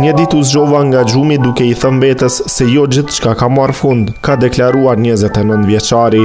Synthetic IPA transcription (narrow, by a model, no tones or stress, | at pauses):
ɲəd̪it̪uzd͡ʒɔvaŋɡad͡ʒumid̪ukɛiθənbɛt̪əsːɛjɔd͡ʑiθt͡ʃkakamarfund̪kad̪ɛklaɾuaɾɲəzɛt̪ɛnənt̪vjɛt͡ʃaɾi